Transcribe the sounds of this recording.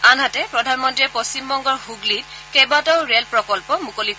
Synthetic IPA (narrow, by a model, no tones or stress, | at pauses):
anɦatɛpɹɔdʱanmɔntiɛpost͡ɕimbɔŋɡɔɹhuɡlit | kɛbatɔʊɹelpɹɔkɔlpɔmukoli